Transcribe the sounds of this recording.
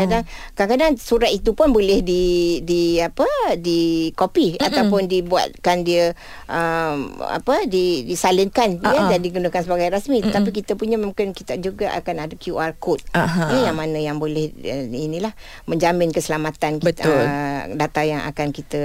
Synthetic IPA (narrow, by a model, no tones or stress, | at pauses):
kadaŋ | kakadaŋsuɾat̪̚it̪upʊnbolɛhdidiapədikopiat̪awpʊndibua̰t̪̚kandiə | ʔəma̰pədidisalənkanjəd͡ʒadiɡunəkansəbaɡajɾasmit̪ət̪ap̬ikit̪əpuɲaməkɪnkit̪ad͡ʒuɡaʔa̰kanadəkjuarkot̪̚jəjaŋmanəjaŋbolɛhinĩlah | mə̃ɲd͡ʒamɪnkəsəlamat̪ankə | dat̪ajaŋa̰kankit̪ə